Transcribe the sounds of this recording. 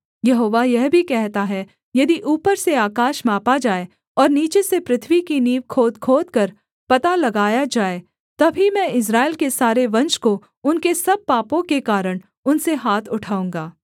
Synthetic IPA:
jɐɦoːʋajɛɦbʱikɛɦt̪aɦɛ | jɐd̪iʔuːpəɾseaːkaːʃmaːpad͡ʒaːe | ɔːɾniːt͡ʃesepɾɪt̪ʰʋikiniːʋkʰoːd̪kʰoːd̪̚kɐɾ | pɐt̪alɐɡaːjad͡ʒaːe | t̪ɐbʱimɛ̃ːɪs̬ɾaːɪlkesaːɾeʋɐ̃nʃko | ʊnkesɐb̚paːpõkekaːɾəɽ̃ | ʊnseɦaːt̪ʰʊʈʰaːũːŋɡaː

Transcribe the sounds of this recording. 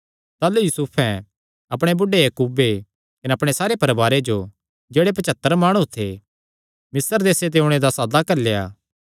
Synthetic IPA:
t̪aːlujusupʰɛ̃ | ɐpɽ̃ebʊɖejɐkuːbe | kɐneɐpɽ̃esaːɾepɐɾbaːɾed͡ʒo | d͡ʒeːɽep̬ɐt͡ʃɐt̪ːəɾmaːɽ̃ut̪ʰe | mɪsəɾd̪eːset̪̬eʊɽ̃ed̪asaːd̪akɐɾleja̰ː

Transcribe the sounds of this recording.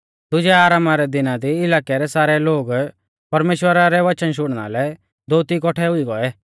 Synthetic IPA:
d̪ʊd͡ʒɛaːɾaːmaɾɛd̪ɪnad̪iɪlaːkɛɾɛsaːɾɛloːɡ | pɐɾmeːʃwəɾaɾɛʋɐt͡ʃənʃ̬ʊɽ̃ɽ̃a̰lɛ | d̪oːt̪ikɔʈʰɛɦʊiɡɔɛ

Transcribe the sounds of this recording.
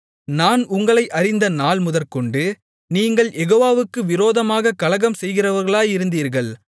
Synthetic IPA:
naːnʊŋɡɐɭɐɪʔɐɾɪnd̪ɐnaːɭmʊðɐɾkɔɳɖɯ | niːŋɡɐɭjɛɣoːʋaːʋɯkːɯʋɪɾoːðɐmaːɣɐkɐlɐɣɐmsɛjɣɪrɐʋɐɾɣɐɭaːjɪɾɯnd̪iːɾɣɐɭ

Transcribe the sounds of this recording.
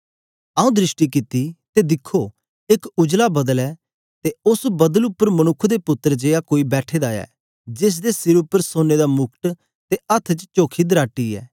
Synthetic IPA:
aːũːd̪ɾɪsʈikɪt̪ːit̪ed̪ɪkʰːoː | ɪkʊd͡ʒlabɐd̪əlɛː | t̪eʊsbɐd̪əlʊpːəɾmɐnʊkʰːd̪epʊt̪ːəɾd͡ʒeːakoːibɛːʈʰeːd̪aːɛ̰ː | d͡ʒɪs̬d̪esɪɾʊpːəɾsoːned̪amʊkʰʈ̪ | t̪eɐt̪ʰːt͡ʃt͡ʃoːkʰid̪əɾaːʈːiɛ̰ː

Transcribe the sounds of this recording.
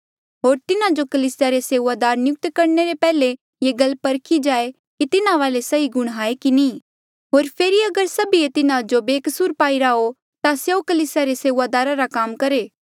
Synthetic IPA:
ɦoːɾt̪ɪnad͡ʒokɐliːsɪjaɾeseːʋaːd̪aːɾnɪjʊk̚t̪kɐɾneɾepɛːle | jeːɡɐlpɐɾkʰid͡ʒaːe | kit̪ɪnãʋaːlesɐiɡʊɽ̃ɦaːekiniː | ɦoːɾpʰeːɾiɐɡəɾsɐbiet̪ɪnãd͡ʒobeːkəsuːɾpaːiɾao | t̪aseokɐliːsɪjaɾeseːʋad̪aːɾaɾakaːmkɐɾeː

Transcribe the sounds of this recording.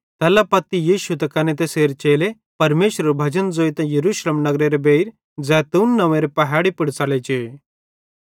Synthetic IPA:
t̪ɛːlapɐt̪ːijiːʃut̪ɛkɐnet̪eseːɾt͡ʃeːle | pɐɾmeːʃɾɐɾubʱɐd͡ʒənd͡zoːit̪ãjɐɾuːʃleːmnɐɡɾeɾebeɾ | d͡zɛːt̪uːnːɐʋẽɾepɐɦaːɽipɪɽt͡salet͡ʃeː

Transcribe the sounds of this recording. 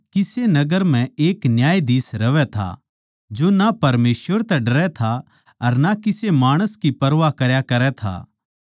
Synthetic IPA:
kɪsenɐɡəɾm̤ɛ̃eːknjaːjd̪iːsɾɐʋɛt̪ʰa̰ | d͡ʒonapɐɾmeːsʋəɾt̪ɛɖɐɾɛt̪ʰa | ɐɾnakɪsemaːɽ̃əskipɐɾʋakɐɾjakɐɾɛt̪ʰa̰ː

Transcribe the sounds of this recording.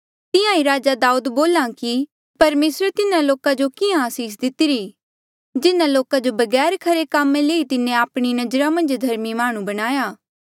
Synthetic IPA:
t̪ɪjãiɾaːd͡ʒad̪aːuːd̪boːlãki | pɐɾmeːsɾt̪ɪnãloːkad͡ʒokɪjãaːsiːs̬d̪ɪt̪ɪɾiː | d͡ʒɪnãloːkad͡ʒobɐɡɛːɾkʰɐɾekaːmẽleːit̪ɪnẽaːpɽ̃inɐd͡ʒɾamɐ̃nd͡ʒd̪ʱɐɾmimaːɽ̃ũbɐɽ̃aːjaː

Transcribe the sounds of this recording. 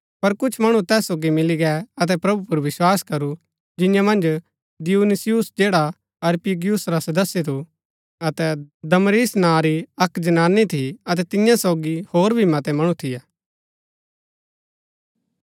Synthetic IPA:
pɐɾkʊt͡ʃʰmɐɽ̃ũt̪ɛːsːoːɡimɪliɡɛɐt̪̬ɛpɾɐbupʊɾʋɪswaːskɐɾu | d͡ʒɪ̃jãmɐ̃nd͡ʒ | d̪ɪjuːnɪsijʊsd͡ʒeːɽa | ɐɾpiɡijʊsɾasɐd̪əsːjet̪ʰu | ɐt̪ɛd̪ɐmɾiːsnãːɾiɐkd͡ʒɐnaːnːit̪ʰiɐt̪ɛt̪ɪ̃jãsɔːɡihoːɾbʱimɐt̪ɛmɐɽ̃ũt̪ʰɪjaː

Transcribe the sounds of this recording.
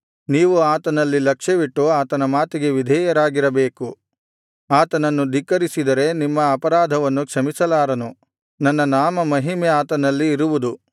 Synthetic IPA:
niːʋuaːt̪ɐnɐlːilɐkʂɐʋiʈːuaːt̪ɐnɐmaːt̪iɡe̞ʋid̪ʱɛːjɐɾaːɡiɾɐbe̞ːku | aːt̪ɐnɐnːud̪ʱikːɐɾisid̪ɐɾe̞nimːɐːpɐɾaːd̪ʱɐʋɐnːukʂɐmisɐlaːɾɐnu | nɐnːɐnaːmɐmɐɦimeaːt̪ɐnɐlːiːɾuʋud̪u

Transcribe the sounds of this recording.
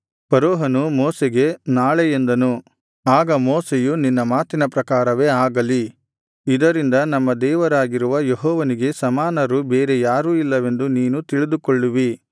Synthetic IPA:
pɐɾoːɦɐnumɔːseɡe̞naːɭejend̪ɐnu | aːɡɐmɔːsejuninːɐmaːt̪inɐpɾɐkaːɾɐʋe̞ːaːɡɐli | id̪ɐɾind̪ɐnɐmːɐd̪ɛːʋɐɾaːɡiɾuʋɐjeɦɔːʋɐniɡe̞sɐmaːnɐɾubeːɾe̞jaːɾuːilːɐʋe̞nd̪uniːnut̪iɭid̪ukɔɭːuʋi

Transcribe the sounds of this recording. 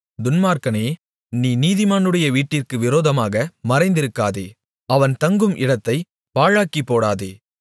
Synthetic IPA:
d̪ʊnmaːɾkɐneː | niːniːðɪmaːnɯɽɐjɐʋiːʈːɪrkɯʋɪɾoːðɐmaːɣɐmɐɾɐɪnd̪ɪɾɯkːaːðḛː | ɐʋɐnt̪ɐŋɡɯmʔɪɽɐt̪ːɐɪ | paːɻaːkipːoːɽaːðeː

